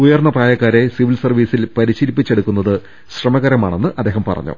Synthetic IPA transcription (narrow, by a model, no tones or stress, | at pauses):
ujɐrnːɐpraːjɐkːaːɾe̞siʋilsɐrʋiːsilpɐɾiɕilipːit͡ɕːe̞ɽukːun̪ːɐðɨ | ɕrɐmɐɣɐɾɐma̰ːɳe̞nːɨʔɐd̪ːeːɦɐmpɐ̰rɐ̰ɲːṵ